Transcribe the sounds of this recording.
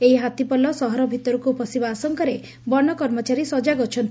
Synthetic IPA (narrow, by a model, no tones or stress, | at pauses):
eɦiɦat̪ipɔlɔsɔɦɔɾɔbʱit̪ɔɾukupɔsibaːsɔŋkɔɾe | bɔɳɔkɔɾmɔt͡ʃaɾisɔd͡ʒaɡɔt͡ʃʰɔnt̪